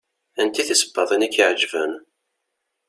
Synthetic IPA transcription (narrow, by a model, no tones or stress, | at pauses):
ænt̪iθisə̥bːɑðˤænækːiʕd͡ʒvæn